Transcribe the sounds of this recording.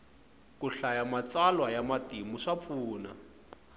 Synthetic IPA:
kuɬajamat͡salwajamatimuʂap̪fuːna̰

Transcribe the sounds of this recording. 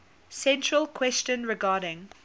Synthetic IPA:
sɛ̃ntɹəlˠkʰwɛst͡ʃə̃nɹɪɡaːɾɪ̃ŋ

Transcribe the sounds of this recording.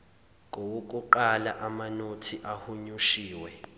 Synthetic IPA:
ŋʱowuk̬ʼuǃalaʔamanotʰiʔahuɲuʃiːwɛ

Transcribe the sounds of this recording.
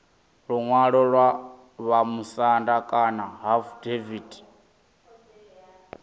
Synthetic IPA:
ɺuŋwaɺɔɺwa | βamusandakʼanaɦafudeviːd

